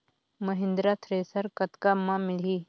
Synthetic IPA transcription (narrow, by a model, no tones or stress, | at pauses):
mɐɦɪ̃nd̪ɾaːt̪ʰɾeːsəɾkɐt̪kamãmɪliː